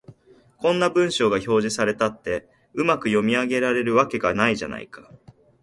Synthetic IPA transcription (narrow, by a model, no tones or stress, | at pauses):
kõ̞nːabɯ̟̃ɰ̃ɕo̞ːɡaço̞ːʑisaɾe̞t̪at̪ːe̞ | ɯ̟makɯ̟jo̞mʲiaɡe̞ɾaɾe̞ɾɯ̟βake̞ɡanaiʑa̰na̰ḭkḁ